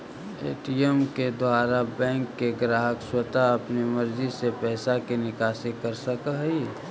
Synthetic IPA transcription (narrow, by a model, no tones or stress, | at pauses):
ḛːʈiemked̪ʱwaːɾabɛ̃ːŋkːeɡɾaːɦəkswət̪aɐpniməɾd͡ʒisepɛːsakenɪkaːsɪkːəɾsəkəɦi